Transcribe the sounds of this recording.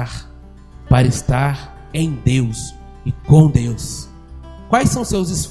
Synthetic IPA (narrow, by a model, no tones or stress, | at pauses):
ɾ | paɾɐɪst̪aɾ | ẽj̃d̪ews | ɪkõd̪ews | kwajsɐ̃w̃sewzɪsf